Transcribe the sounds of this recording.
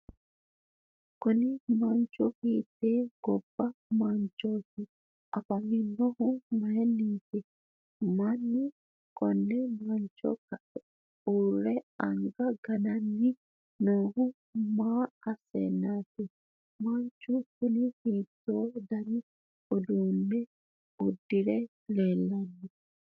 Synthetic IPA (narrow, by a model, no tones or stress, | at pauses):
kunimaɲt͡ʃuhit̪ɛɡ̥ɔbːamaɲt͡ʃoti | ʔapaminːɔhumaɛnːitɛ | manːi | kɔnːɛmaɲt͡ʃɔ̰kaʔɛ | uɾɛaŋɡaɡananːi | nohu | maasɛ̰natɛ | maɲt͡ʃukunihitːɔdaɾi | odunːɛ | udːiɾɛ | lɛlanːi